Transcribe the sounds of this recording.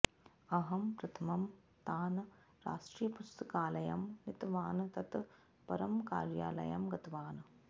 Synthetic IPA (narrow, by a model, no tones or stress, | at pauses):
ɐɦɐmpɾɐt̪ʰɐmɐm | t̪aːnɐ | ɾa̰ːʂʈɾiːjɐpust̪ɐkaːlɐjɐmnit̪ʋaːnɐt̪ɐt̪ | pɐɾɐmka̰ːɾja̰ːlɐ̰jɐmɡɐt̪ɐʋaːnɐ